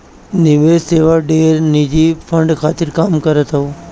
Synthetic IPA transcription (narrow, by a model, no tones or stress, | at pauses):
nɪʋeseːʋaɖeːɾnid͡ʑifʰəɳɖkʰaːt̪ɪɾkaːmkəɾət̪əo